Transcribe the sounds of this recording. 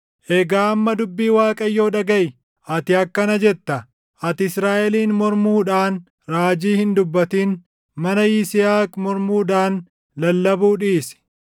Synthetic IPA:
ʔɛɡaːɐmːɐd̪ʊbːiːwaːkʼɐjːo̞ːᶑɐɡɐʔɪ | ʔɐt̪ɪɐkːɐnɐd͡ʒɛt̪ːɐ | ʔɐt̪ɪsɾaːʔɛliːnmɔɾmuːᶑaːn | ɾaːd͡ʒiːhɪnd̪ʊbːɐt̪iːn | mɐnɐjisɪjaːkʼmɔɾmuːᶑaːn | lɐlːɐbuːᶑiːsɪ̥

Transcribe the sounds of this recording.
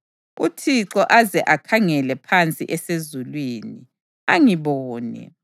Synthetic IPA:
utʰiǁɔʔazɛʔakʰaŋɛlɛpʰant͡sʼiʔɛsezulwiːni | aŋiβɔːnɛ̰

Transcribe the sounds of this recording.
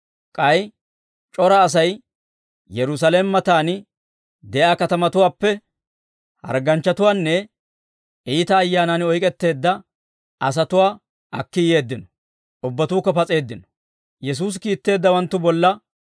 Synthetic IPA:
kʼɐj | t͡ʃʼɔɾɐːs̬ɐj | jɛɾʊs̬ɐlemːɐt̪aːnɪ | d̪ɛʔaːkɐt̪ɐmɐt̪ʊwaːpːɛ | hɐ̰ɾɡɐnt͡ʃːɐt̪ʊwaːnːɛ | ʔiːt̪ɐːjːaːnanɔjkʼɛt̪ːe̞ːd̪ːɐ | ɐs̬ɐt̪ʊwaː | ʔɐkːɪje̞ːd̪ːɪnɔ̥ | ʔʊbːɐt̪uːkːɔpɐt͡sʼe̞ːd̪ːɪnɔ̥ | jɛs̬uːs̬kiːt̪ːe̞ːd̪ːɐwɐnt̪ːʊbɔlːɐ

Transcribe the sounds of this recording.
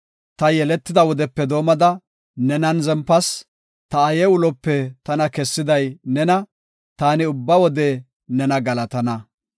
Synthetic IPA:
t̪ɐjɛlɛt̪ːɪd̪ɐwɔd̪ɛpːɛd̪o̞ːmɐd̪ɐ | nɛnɐnzɛmpːɐs | t̪ɐːjɛʊlɔpːɛt̪ɐnɐkɛsːɪd̪ɐjnɛnɐ | t̪aːnɪʊbːɐwɔd̪ɛ | nɛnɐɡɐlɐt̪ɐnɐ

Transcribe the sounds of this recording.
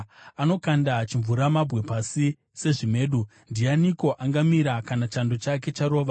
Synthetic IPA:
ano̞kandat͡ʃiɱvuɾamabʱɣe̞pasi | se̞ʐime̞ːɗu | ndianiko̞ʔaŋɡamiɾakanat͡ʃando̞t͡ʃak̬e̞t͡ʃaɾo̞ːʋa

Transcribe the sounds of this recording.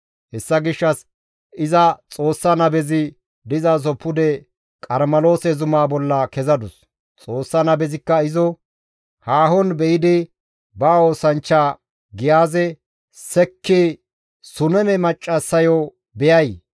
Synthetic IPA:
hɛsːɐɡɪʃːɐs | ɪzɐt͡sʼo̞ːsːɐnɐbɛzɪ | d̪ɪzaːs̬ɔpːʊd̪ɛ | kʼɐɾmɐlo̞ːsɛzʊmaːbɔlːɐkɛzɐd̪ʊs | t͡sʼo̞ːsːɐnɐbɛzɪkːɐɪzɔ | haːɦɔnbɛʔɪd̪ɪ | baːoːsɐnt͡ʃːaː | ɡɪjaːzɛ | sɛkːɪ | sʊnɛmɛmɐt͡ʃʼːɐsːɐjɔ | bɛjɐj

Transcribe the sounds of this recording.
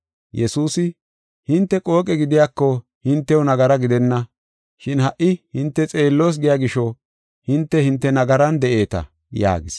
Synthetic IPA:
jɛsuːsɪ | hɪnt̪ːɛkʼo̞ːkʼɛɡɪd̪ɪjaːkːɔ | hɪnt̪ːɛwʊnɐɡɐɾɐɡɪd̪ɛnːɐ | ʃɪnhɐʔɪhɪnt̪ːɛt͡sʼe̞ːlːoːs̬ɡɪjaɡɪʃɔ | hɪnt̪ːɛhɪnt̪ːɛnɐɡɐɾɐnd̪ɛʔe̞ːt̪ɐ̰ | ja̰ːɡɪs

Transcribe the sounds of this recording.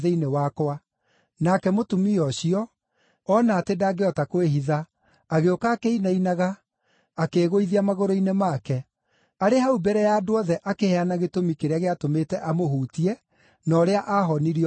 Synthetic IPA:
ðeinewakwa | nakɛmotumiɔɕiɔ | ɔnaːtedaːɡeɔtakoweɦiðaː | ɣeokaːkeinainaɣaː | keːɣoiðiamaɣoɾoinemaːkɛ | aɾeɦaubɛɾɛjadoɔðɛʔakehɛanaɣetomikeɾeaɣeatometɛʔamoɦuːtiɛ | nɔːɾeaʔaɦɔniɾi

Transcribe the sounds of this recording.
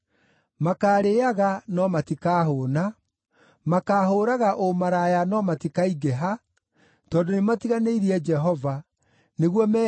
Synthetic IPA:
makaːɾeaɣanɔmatikaːɦoːna | makaːɦoːɾaɣaʔomaɾajanɔmatikaiɡeɦa | tɔːndonematiɣaneiɾiɛd͡ʒɛɦɔva | neɣwɔmɛ

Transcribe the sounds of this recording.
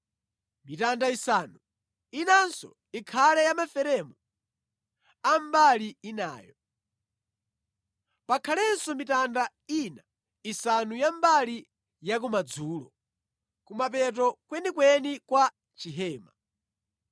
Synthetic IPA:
mitandaisaːnu | inansɔ̰ | ikʰalɛjamafɛɾɛmu | ambaliina̰ːjɔ | pakʰalɛnsɔmitanda | ina | isanujambali | jak̬umad͡zuːlɔ̰ | kumap̬ɛt̬ɔkwɛnikwɛnikwa | t͡ʃiɦɛːma

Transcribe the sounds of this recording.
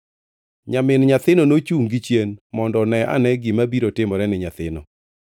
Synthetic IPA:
ɲamɪnɲat̪ɪnonot͡ʃuŋɡɪt͡ʃjenmɔndɔnɛa̰nɛɡɪmabiɾotɪmɔɾɛnɪɲat̪ɪnɔ̰

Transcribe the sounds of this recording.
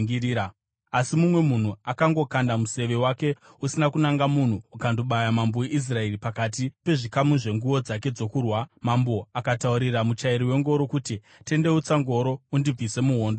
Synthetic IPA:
iɾiːɾa | asimumwe̞mun̤uakaŋɡo̞kandamuse̞ʋe̞wake̞ | usinakunaŋɡamun̤uːkando̞ɓajamamboeʔis̬rae̞ripakat̬ipe̞ʐikamuʐe̞ŋɡuwo̞d͡zak̬e̞d͡zo̞kurwamambo̞akatauɾiramut͡ʃaiɾiwe̞ŋɡo̞ɾo̞kuti | te̞nde̞ut͡saŋɡo̞ɾo̞undib͡vise̞muɦo̞ːndo

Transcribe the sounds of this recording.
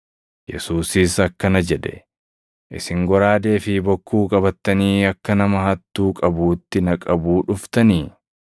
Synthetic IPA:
jɛ̰suːsiːsɐkːɐnɐd͡ʒɛd̪ɛ̰ | ʔɪ̰sɪŋɡɔɾaːd̪e̞ːfɪbɔkːuːkʼɐbɐt̪ːɐniːɐkːɐnɐmɐhɐt̪ːuːkʼɐbuːt̪ːɪnɐkʼɐbuːᶑʊft̪ɐniː

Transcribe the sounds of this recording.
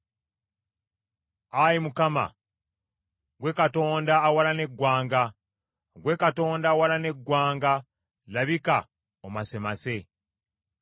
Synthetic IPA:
ajimukama̰ | ɡwe̞kato̞ːndaːwalane̞ɡːwaːŋɡa | oɡwe̞kato̞ːndawalane̞ɡːwaːŋɡa | laβika̰ | omase̞mase̞

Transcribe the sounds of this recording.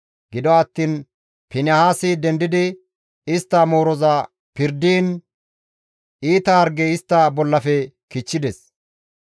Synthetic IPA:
ɡɪd̪ɔɐt̪ːiːn | pɪnɐhaːsid̪ɛnd̪ɪd̪ɪ | ɪst̪ːɐmoːɾɔzɐ | pɪɾd̪iːn | ʔiːt̪ɐɐɾɡɛɪst̪ːɐbɔlːɐfɛ | kɪt͡ʃːɪd̪ɛs

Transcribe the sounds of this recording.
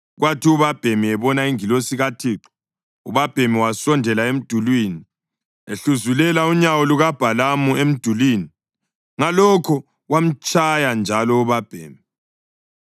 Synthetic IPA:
ɣwʔatʰiuβab̥ʱemiɛβɔnaiŋilosiɣatʰiːǃɔ̥ | ṵβab̥ʱemiwasɔndʱɛlaem̩d̥ʱulwiːni | eɬuzulɛlauɲawɔluɣab̥ʱalamuem̩d̥ʱulwiːni | ŋalɔkʰɔ | ɣwam̩t͡ʃʼajand͡ʒʱalɔuβab̥ʱḛːmi

